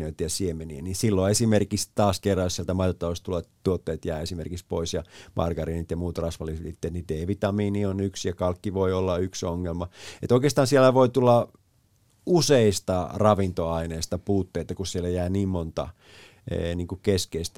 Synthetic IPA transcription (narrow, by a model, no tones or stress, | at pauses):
øit̪jɑsiemenieninsilːoesimerkist̪ɑːskerːɑjosielt̪æmɑiot̪ːɑʋoˑst̪t̪ulɑt̪t̪uot̪ːeːt̪jæːesimerkikspo̰isjɑmʔɑ̰rɡ̥ɑriːnit̪jɑmuːt̪rɑsʋɑlːiseit̪ːet̪nideːʋit̪ɑmiːnionyksjɑkɑlkːiʋoiolːɑyksoŋːelmɑḛt̪oˑikeːst̪ɑːnsielːæʋoit̪ulːɑ | useist̪ɑrɑʋint̪oɑineːst̪ɑpuːt̪ːeit̪ːɑkussielːæjæːniːmmont̪ɑ̰ | niːŋkukeskeist̪